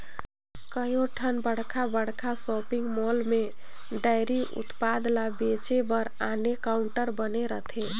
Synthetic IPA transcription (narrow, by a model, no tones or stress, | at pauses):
kəjoʈʰənbəɽ̤kʰabəɽ̤kʰasɔːpɪ̃ŋɡmɔːlmẽ | ɖəɪɾiʔʊ̰t̪paːd̪labet͡ʃebəɾaːnekaːʊɳʈəɾbəneɾət̪ʰe